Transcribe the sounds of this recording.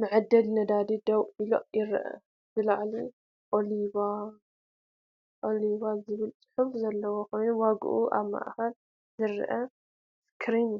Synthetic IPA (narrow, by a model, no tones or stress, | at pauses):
mɨʕɨd̪ːɐlnɐd̪ad̪id̪ɐβilo̰jɪɾʔɐ̰ | bɨlaʕli | ʔoliβa | ʔoliβazɨβɨlt͡sʼɨ̥ħufzɐlːɐwoxo̞jnuwaɡ̰ʔṵʔa̰βma̰ʔxɐl | zɨɾʔɐ | skʰɾin